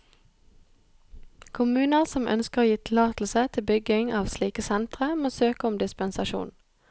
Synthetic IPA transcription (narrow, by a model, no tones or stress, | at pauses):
kʰʊmʉːnəʁsɔmʔœ̰nskəʁoːjiːt̪ʰɪlɑːt̪l̩sət̪ʰɪlbʏɡɪŋɑːʋsliːkəsɛnt̪ʁəmoːsøːkəʊmd̪ɪspənsɑʃṵːn